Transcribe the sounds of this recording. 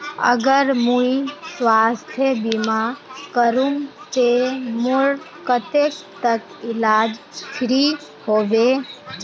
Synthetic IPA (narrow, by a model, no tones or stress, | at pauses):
ə̰ɡəɾmũiswaːst̪ʰjəbimakəɾũŋt̪emʊɽ | kət̪eːkt̪ək | ɪlaːd͡ʒ | ʃɾi | hoːbe